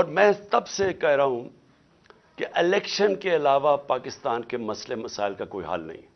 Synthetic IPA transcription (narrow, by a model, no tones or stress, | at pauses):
ɔːɾmɛ̃ːsɐbsekɛɦɾaɦũ | keʔɪlɛːkʃənkeɐlaːʋapaːkɪst̪aːnkemɐslemɐsa̰ːɪlkakoːḭɦa̰lnɐ̰ɦḭ̃ː